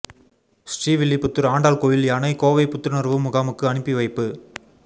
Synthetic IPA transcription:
sʈriːʋɪɭːipʊt̪ːɯɾaːɳɖaːlkoːjɪljɐnɐɪkoːʋɐɪpʊt̪ːɯɾnɐɾʋɯmʊɣaːmɯkːɯɐɳɯpːiʋɐɪpːɯ

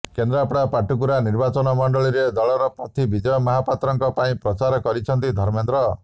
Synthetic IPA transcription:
kend̪ɾapɽapaʈukuɾaniɾbat͡ʃɔnɔmɔɳɖɔɭiɾed̪ɔɭɔɾɔpɔt̪ʰibid͡ʒɔjɔmɔɦapat̪ɾɔŋkɔpaĩpɾɔt͡ʃaɾɔkɔɾit͡ʃʰɔnt̪id̪ʱɔɾmend̪ɾɔ

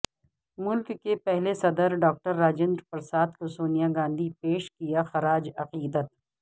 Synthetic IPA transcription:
mʊlkːepɛɦlesɐd̪əɾɖɔːk̚ʈəɾːaːd͡ʒɪ̃nd̪ɾpɐɾsaːt̪ʰkosoːnijaɡãːnd̪ʱipeːʃkijaxɐɾaːd͡ʒɐqiːd̪ət̪̚

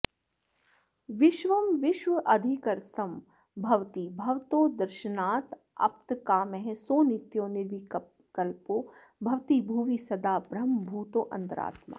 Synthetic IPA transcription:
ʋɪʃʋɐmʋɪʃʋəʔɐd̪ʱikɐɾsɐm | bʱɐʋt̪ibʱɐʋt̪oːd̪ɐɾʃənaːt̪ | ɐ̰pt̪kaːmeɦɛ̃soːnɪt̪joːnɪɾʋi | kɐlpoː | bʱɐʋt̪ibʱuːʋisɐd̪aːbɾɐmbʱuːt̪oːʔɐ̃nt̪ɐɾa̰ːt̪ma̰ː

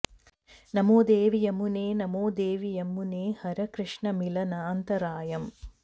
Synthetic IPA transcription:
nɐmoːd̪eːʋijɐmuneːnɐmoːd̪eːʋijɐmːuneːhɐɾɐkɾɨʂɳɐmilɐnɐːnt̪ɐɾaːjɐm

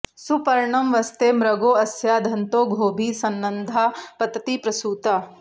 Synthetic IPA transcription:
supɐɾɳɐmʋɐst̪eːmɾɐɡoːɐsjaːd̪ʱɐnt̪oːɡʱoːbʱiːsɐnːɐnd̪ʱaːpɐt̪t̪ipɾɐsuːt̪a

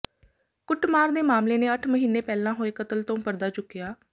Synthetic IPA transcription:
kʊʈmaːɾd̪eːmaːmleːneːəʈʰməɦiːneːpɛːlãːɦoːeːkət̪əlt̪õːpəɾd̪aːt͡ʃʊkːijaː

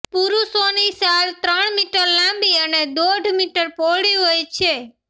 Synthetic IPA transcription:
puɾusonisalt̪ɾəɳmiʈəɾlãmbiəned̪oɖʱmiʈəɾpoɽiɦojt͡ʃʰe

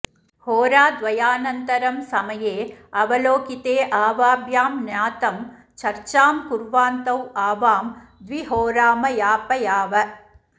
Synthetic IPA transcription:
hoːɾaːd̪ʋɐjaːnɐnt̪ɐɾɐmsɐmɐjeːɐʋɐloːkit̪eːʔaːʋaːbʱjaːmnjaːt̪ɐm | t͡ʃɐɾt͡ʃaːmkuɾʋaːnt̪ɐwaːʋaːmd̪ʋiɦoːɾaːmɐjaːpɐjaːʋɐ

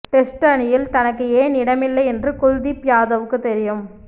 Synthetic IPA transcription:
ʈɛsʈɐɳɪjɪlt̪ɐnɐk̬ːɯeːnɪɽɐmɪlːɐɪɛndrɯkʊɻðipjaːðɐʋɯkːɯt̪ɛɾɪjɯm

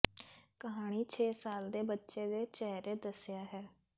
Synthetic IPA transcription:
kəɦaːɽ̃iːt͡ʃʰeːsaːld̪eːbətːʃeːd̪eːt͡ʃɛːɾeːd̪əsɪjaːɦɛː

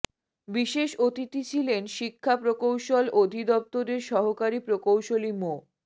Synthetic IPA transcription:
biʃeʃot̪it̪it͡ɕʰilenʃikʰːapɾokowʃolod̪ʱid̪ɔp̚t̪oɾeɾʃɔɦokaɾipɾokowʃolimo

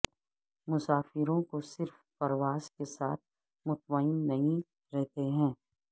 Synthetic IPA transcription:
mʊsaːfɪɾõkosɪɾfːɐɾʋaːz̥kesa̰ːt̪̚ʰ | mʊt̪̚maɪnːɐɦĩ | ɾɛɦt̪eɦɛ̃ː

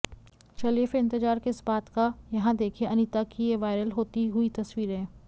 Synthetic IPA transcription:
t͡ʃɐlefeɪ̃nt̪ɪd͡ʒaːɾkeɪsbaːt̪kajɐɦãd̪eːkʰẽʔɐnit̪akijeʋaːɪɾəlɦoːt̪iɦʊit̪ɐswiːɾɦɛ̃ː

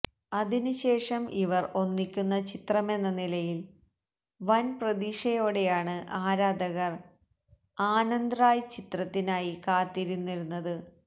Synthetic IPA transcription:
ɐðinɨɕe̞ːʂɐmʔiʋɐro̞nːikʲːunːɐt͡ɕit̪rɐme̞nːɐnilɐjil | ʋɐnprɐðiːʂɐjo̞ːɽe̞jaːɳɨʔaːɾaːd̪ɐɣɐr | aːnɐnd̪raːjt͡ɕit̪rɐt̪ːinaːjikaːt̪ːiɾunːiɾunːɐðɨ

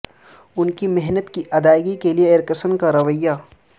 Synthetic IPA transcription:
ʊnkimɛɦnət̪kiʔɐd̪aːjɡikelieɪɾkəsəmkaɾɐʋəjːa

